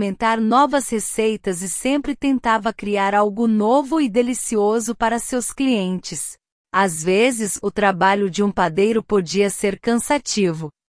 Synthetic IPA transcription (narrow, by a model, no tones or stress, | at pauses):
mẽnt̪aɾnɔvɐshesejt̪ɐzɪsẽmpɾɪt̪ẽnt̪avɐkɾiaɾawɡʊnovʊɪd̪elisiozʊpaɾɐsewskliẽnt͡ʃɪs | azvezɪzʊt̪ɾabaʎʊd͡ʒɪũpad̪ejɾʊpod͡ʒiɐseɾkɐ̃sat͡ʃivʊ